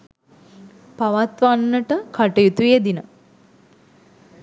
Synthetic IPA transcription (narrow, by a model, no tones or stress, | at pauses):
paʋat̪ʋanːəʈəkaʈəjut̪ujed̪inə